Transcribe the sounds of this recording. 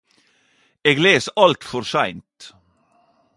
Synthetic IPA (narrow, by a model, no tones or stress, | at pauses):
eːɡleːsəʔɑlt̪fɔɾsæɪnt̪